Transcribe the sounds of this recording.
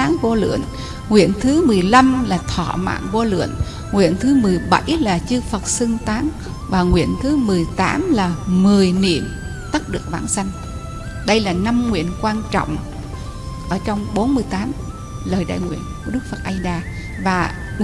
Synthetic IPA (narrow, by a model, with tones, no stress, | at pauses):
aː˨˦ŋvo˧lɨ̰˧˨ən | ŋwḭ˧˨ənt̪ʰɨ˨˦mɨ˨˩əjla˧mlaː˨˩t̪ʰɔ̰˧˨ma̰ː˧˨nvo˧lɨ̰˧˨ən | ŋwḭ˧˨ənt̪ʰɨ˨˦mɨ˨˩əjɓa˧˩jlaː˨˩t͡ɕɨ˧fə˨˩t̚sɨ˧ŋt̪aː˨˦n | vaː˨˩ŋwḭ˧˨ənt̪ʰɨ˨˦mɨ˨˩əjt̪aː˨˦mlaː˨˩mɨ˨˩əjnḭ˧˨əm | t̪ə˦˥t̚ɗɨ˨˩ək̚vaː˧˩nsa˧jŋ̟ | ɗə˧jlaː˨˩na˧mŋwḭ˧˨ənkwaː˧nt͡ɕɔ̰˧˨wŋ͡m | ʔəː˧˩t͡ɕɔ˧wŋ͡mɓo˨˦nmɨ˧˩əjt̪aː˨˦m | ləː˨˩jɗa̰ː˧˨jŋwḭ˧˨ənku˧˩əɗɨ˦˥k̚fə˨˩t̚ʔə˧jɗaː˧ | vaː˨˩